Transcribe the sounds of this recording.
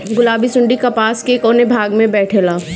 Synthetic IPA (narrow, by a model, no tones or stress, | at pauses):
ɡʊlaːbisʊ̃ɳɖikapaːskekɔːnebʱaːɡmẽbɛːʈʰelaː